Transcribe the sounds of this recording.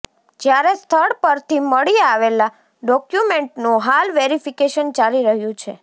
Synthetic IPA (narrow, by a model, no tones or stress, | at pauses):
d͡ʒjaɾest̪ʰəɽpəɾt̪ʰiməɭiaʋela | ɖɔkjumeɳʈnũɦalʋeɾifikeʃənt͡ʃaliɾəɦjũt͡ʃʰe